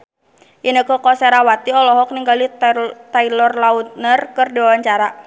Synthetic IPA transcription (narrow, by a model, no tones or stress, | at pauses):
ʔinəkəkɔsɛɾawat̪iɔlɔɦɔk̚niŋɡalit̪ailɔrlaut̪̚nərkɨrdiwawaɲt͡ʃaɾa